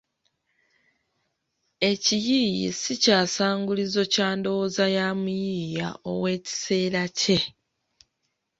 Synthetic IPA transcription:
e̞cijijḭsicaːsaːŋɡulizo̞caːndo̞wozajaːmujiːja̰o̰we̞ːci̥se̞ːɾace̞

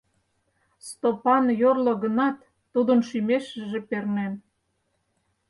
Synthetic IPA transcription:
st̪opɑnjorlŏɣənɑt̪ː | ud̪ənʃymeʃəʒĕpernem

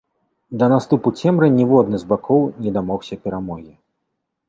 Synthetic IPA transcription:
d̪ɐnast̪uput͡sʲɛmɾɨnʲivɔd̪̚nɨzbakʰɔwnʲɛd̪amɔxsʲɐpʲɛɾamɔɣʲi

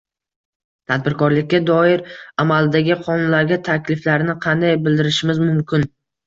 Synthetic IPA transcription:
t̪ʰad̪̚bɪɾkʰɒɾlɪkʲːad̪ɒɪɾamalɪd̪aɡʲɪqʰɒnʊnlaɾɡʲat̪ʰakʲʰlɪflaɾnɪqʰɑnd̪ajbɪld̪ɪɾɪʃɪmɪzmʊmkʲʰɪn

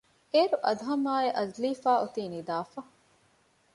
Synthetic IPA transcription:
ʔeːɾuʔɐd̪uɦɐmaːeʔɐzliːfaːʔut̪iːnid̪aːfɐ

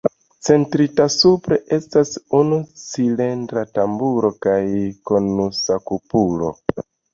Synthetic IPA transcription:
t͡se̞ntɾitasupɾe̞ʔe̞stasunut͡sile̞ndɾatambuɾo̞kajko̞nusakupulo̞̰

